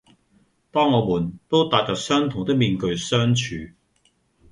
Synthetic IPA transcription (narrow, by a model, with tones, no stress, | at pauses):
t̪ɔː˥ŋːɔː˨˧muː˨˩nt̪o˥wt̪aː˨t̚t͡ʃɔː˨k̚sœː˥ŋt̪ʰʊ˨˩ŋt̪ɪ˥k̚miː˨˧nkɵ˧ɥsœː˥ŋt͡ʃʰyː˨˧